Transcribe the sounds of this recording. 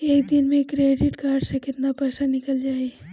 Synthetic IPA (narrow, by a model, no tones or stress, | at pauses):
eːk̚d̪ɪnmẽkɾeːɖɪʈkaːɾɖsekɪt̪napɛːsanɪkəld͡ʒaːi